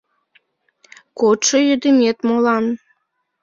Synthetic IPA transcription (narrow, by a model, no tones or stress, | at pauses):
kot̪ʃɤjød̪emʲet̪molɑn